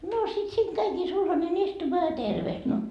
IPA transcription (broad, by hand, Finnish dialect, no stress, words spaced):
noː sit siːŋ kæikiː sulhɑnen istumɑː jɑ terʋeht no